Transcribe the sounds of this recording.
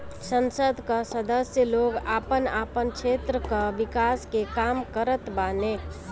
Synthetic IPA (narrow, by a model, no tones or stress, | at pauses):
sənsəd̪ʱkəsəd̪əsjəloɡapənapənkt͡ʃʰet̪ɾəkəbikaskekamkəɾət̪bane